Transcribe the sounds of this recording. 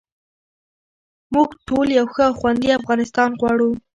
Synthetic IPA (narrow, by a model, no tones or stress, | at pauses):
muɡʈʰoljawxəawxwand̪iafɣɑnɪst̪ɑnɣwɑɽu